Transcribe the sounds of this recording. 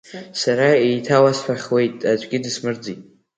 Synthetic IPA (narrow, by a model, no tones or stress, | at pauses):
saɾaejtʰawasħʷᶣaχʲwe̞jtʼad͡ʒʷʼɡʲɪdɨsmɨrd͡zitʼ